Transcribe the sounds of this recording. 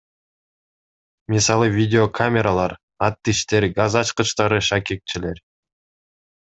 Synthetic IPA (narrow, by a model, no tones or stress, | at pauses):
mʲisɑlˠɯvʲidʲɪokʰamʲeɾalˠɑɾ | ɑt̪ːiʃt̪e̞ɾɡazɑt͡ʃqɯt͡ʃt̪ɑɾɯʃɑket̪̚t͡ʃile̞ɾ